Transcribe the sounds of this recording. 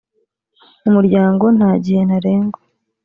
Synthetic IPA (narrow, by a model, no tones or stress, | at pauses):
umuɾɟaːŋɡo̞n̥haːɟihe̞naɾeːŋɡo